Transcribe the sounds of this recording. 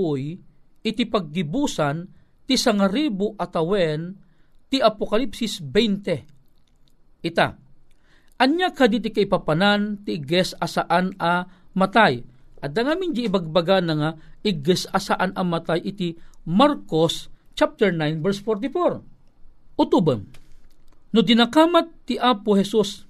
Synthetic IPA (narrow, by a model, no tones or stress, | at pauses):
ʊj | ʔɪt̪ipɐɡ̚ːɪbusan | t̪isaŋaɾibʊʔat̪ɐwɛn | t̪iʔapokalipsisbɛjnt̪ɛ | ʔɪt̪a̰ | ʔɐnɲakad̪it̪̬ikaɪpapanant̪iʔɪɡɛsɐsaʔanamɐt̪ajʔɐd̪aŋaːmɪnd͡ʒiibaɡ̚baɡanɐŋaiɡɛsɐsaʔanɐmat̪ajʔɪt̪imaɾkos | t͡ʃap̚t̪ɛɹnajnvɛɾsfɔɾt̪̬ifoɾ | ʔʊt̪ubəŋ | nʊd̪ɪnakamat̪ːiʔaːpohɛsus